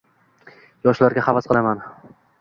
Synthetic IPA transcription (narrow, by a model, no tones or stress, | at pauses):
jɒʃlaɾɡʲaχɑvasqɨlˠaman